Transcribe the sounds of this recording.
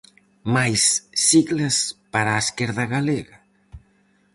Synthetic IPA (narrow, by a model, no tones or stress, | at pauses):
majsːiɣlaspaɾaskɛɾðaɣaleɣa